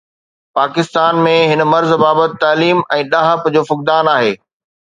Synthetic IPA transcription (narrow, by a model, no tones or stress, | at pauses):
paːkɪst̪aːnmẽɦɪnə̆mɐɾzbaːbət̪ɪ̆t̪aːliːmɛ̃ːɗaːɦəpd͡ʑoːfʊk̚d̪aːnaːɦeː